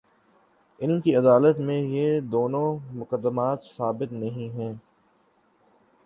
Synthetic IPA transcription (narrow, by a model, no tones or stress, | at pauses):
ɪnkiɐd̪aːlət̪mẽjed̪oːnõmʊkəd̪ːəmaːt̪saːbɪt̪nɐɦĩɦɛ̃ː